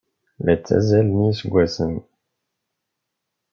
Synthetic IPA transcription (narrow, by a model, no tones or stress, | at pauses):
læt͡sːæ̰zælnisɡʷwæsən